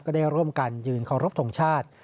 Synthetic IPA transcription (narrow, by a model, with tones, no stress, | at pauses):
kɔː˥˩daː˥˩jɾu˥˩əmka˧njɯː˧nkʰa˧˩wɾo˦˥p̚t̪ʰo˨˩˦ŋt͡ɕʰaː˥˩t̪̚